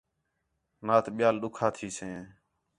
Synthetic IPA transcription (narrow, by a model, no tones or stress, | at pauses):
naːt̪ʰɓɪjaːlɗʊkʰaːt̪ʰiːsẽː